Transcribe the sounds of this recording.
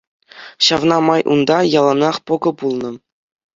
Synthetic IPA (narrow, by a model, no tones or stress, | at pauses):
ɕɑvnɑmɑjʔund̪ɑjɑlˠɑnɑχpŏɡɤ̆pulˠnɤ̆